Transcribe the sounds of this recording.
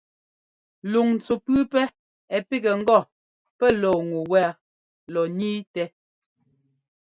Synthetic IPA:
lu˨ŋn̩˨t͡su˨pʉ˦pɛ˦ | ɛ˨pi˦ɡɛ˨ŋ̩˦ɡɔ˦˨ | pɛ˦lɔː˨ŋu˨wɛ˦a˦ | lɔ˨niː˦tɛ˦

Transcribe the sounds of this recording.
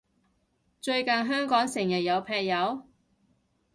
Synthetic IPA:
t͡ʃɵ˧ɥkɐ˨nɦœː˥ŋkɔː˨˥ŋsɪ˨˩ŋjɐ˨t̚jɐ˨˧wpʰɛː˧k̚jɐ˨˧w

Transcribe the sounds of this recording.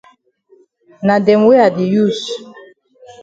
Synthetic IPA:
na˨dɛ˨mwe˦a˨di˨ju˦˨s

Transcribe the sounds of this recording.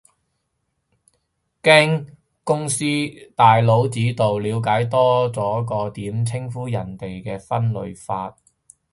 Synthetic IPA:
kɛː˥ŋ | kʊ˥ŋsiː˥t̪aː˨jlo˨˥wt͡siː˨˥t̪o˨wliː˨˧wkaː˨˥jt̪ɔː˥t͡sɔː˨˥kɔː˧t̪iː˨˥mt͡sʰɪ˥ŋfuː˥jɐ˨˩nt̪e˨jkɛː˧fɐ˥nlɵ̰˨ɥfaː˧t̚

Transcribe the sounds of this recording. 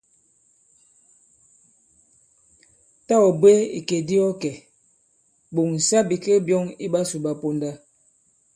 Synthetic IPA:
ta˦ɔ˨be˦ḭ˨ke˨di˦ɔ˦kɛ˨ | bo˨ŋn̩˨sa˦bi˨ke˦bjɔ˦ŋḭ˦ba˦su˨ba˨po˦nda˦

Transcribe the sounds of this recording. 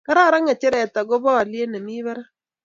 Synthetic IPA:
ka˦ɾa˦˨ɾa˦ŋa˨t͡ʃɛ˦ɾɛ˨ta˨ɡɔ˦bɔ˦a˨lje˦na˨mi˦βa˦ɾa˦

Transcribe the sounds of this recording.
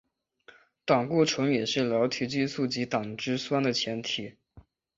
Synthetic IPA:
t̪ɑ˨˩ŋku˥˩ʈ͡ʂʰʊ˧˥ŋjɛ˨˩ʂɻ̩˥˩ljɑ˧˥ʊt̪ʰy˧˥t͡ɕi˥˧su˥˩t͡ɕi˧˥t̪ɑ˨˩ŋʈ͡ʂɻ̩˥swa˥nd̪ə˨t͡ɕʰjɛ˧˥nt̪ʰi˨˩˦

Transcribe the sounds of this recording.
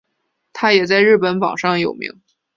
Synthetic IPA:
t̪ʰa˥jɛ˨˩t͡sa˥˧ɪɻɻ̩˥˩pə˧˥nwɑ̰˨˩ŋʂɑ˥˩ŋjo˨˩ʊmḭ˧˥ŋ

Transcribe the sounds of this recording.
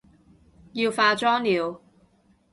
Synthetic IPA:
jiː˧wfaː˧t͡ʃɔː˥ŋliː˨w

